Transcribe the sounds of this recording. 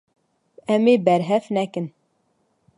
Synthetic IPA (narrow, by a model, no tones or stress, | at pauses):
ɛmeːbɛɾɦɛfnɛkɨn